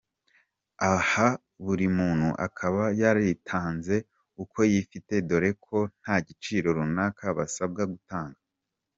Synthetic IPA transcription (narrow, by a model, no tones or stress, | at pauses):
aha | βuɾimuːn̥huʔa̰kʰaβajaɾitʰaːnze̞ | ukʰo̞jifite̞do̞ɾe̞kʰo̞n̥haːɟit͡ʃiːɾo̞ɾunaːkaβasab̚ɡaɡutaːŋɡa